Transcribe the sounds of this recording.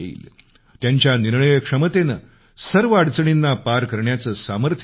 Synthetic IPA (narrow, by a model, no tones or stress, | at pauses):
ḭːl | t̪jaɲt͡ɕjaniɾɳəjəkʂəmət̪enə | səɾʋəaɽt͡səɳinːapaɾkəɾɳjat͡səːsaməɾt̪ʰ